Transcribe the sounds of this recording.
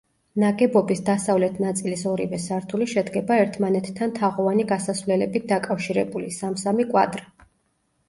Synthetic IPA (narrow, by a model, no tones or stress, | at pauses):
naɡɛbɔbisd̪asavlɛt̪ʰnat̪sʼilisɔɾivɛsaɾt̪ʰuliʃɛd̪ɡɛbaɛɾt̪ʰmanɛt̪ːʰant̪ʰaʁɔvaniɡasasvlɛlɛbit̪̚d̪akʼafʃiɾɛ̰bulisamsamikʼwa̰d̪ɾi